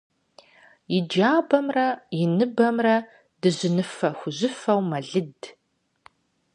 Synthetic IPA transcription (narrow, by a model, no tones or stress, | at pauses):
jɪd͡ʒaːbɐmrɐjɪnɨbɐmrɐ | d̥ɨʑɪnɨfɐxʷʊʑɪfɐwmɐɮɨd